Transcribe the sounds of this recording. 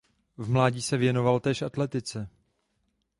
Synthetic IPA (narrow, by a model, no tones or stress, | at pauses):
vmlaːɟiːsɛvjɛno̞valt̪ɛːʃʔat̪lɛt̪ɪt͡sɛ